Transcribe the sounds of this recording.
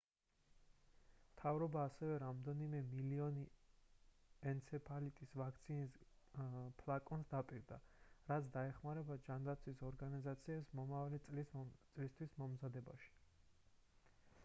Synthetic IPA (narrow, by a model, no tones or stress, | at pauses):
mt̪ʰavɾɔbaːsɛvɛɾamd̪ɛnimɛmiliɔni | ɛnt̪sʰɛpʰalit̪ʼisvak̚ʰt̪sʰinis | pʰlˠakʼɔnsd̪apʼiɾd̪aɾat̪sʰd̪aɛχmaɾɛbad͡ʒand̪at̪sʰwisɔɾɡanizat̪sʰiɛpsmɔmavalit̪ʼlt̪sʼlist̪ʰwismɔmzad̪ɛba̰ʃi̥